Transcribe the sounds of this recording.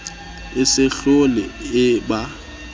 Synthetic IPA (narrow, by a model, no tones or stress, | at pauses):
ɪsɪɬolɪɪba